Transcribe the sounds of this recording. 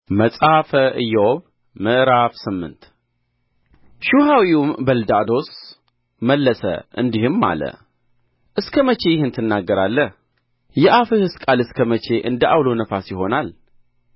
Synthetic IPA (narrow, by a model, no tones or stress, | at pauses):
məsʼafəʔɨjːɛwoβ | mɨʔɾafsɨmːɨ̰nt̪ | ʃuhawiumbəld̪ad̪o̞s | məlːəsə̰ʔɨ̰nd̪ihɨmːa̰lə̰ | ʔɨskʰəmət͡ʃʰe̞jɪhɨnt̪ʰɨnːaɡːəɾalːəh | jɛʔafɨhɨskʼalɨskʰəmət͡ʃʰe̞ʔɨnd̪əʔawlo̞nəfasjɪɦo̞nal